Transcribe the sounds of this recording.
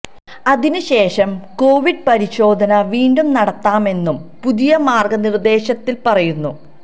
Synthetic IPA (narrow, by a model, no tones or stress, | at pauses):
ɐðinɨɕe̞ːʂɐmko̞ːʋiɖ̚pɐɾiɕo̞ːd̪ʱɐnɐʋiːɳɖumnɐɽɐt̪ːaːme̞nːumpuðijɐmaːrɡɐnird̪e̞ːɕɐt̪ːilpɐrɐjunːu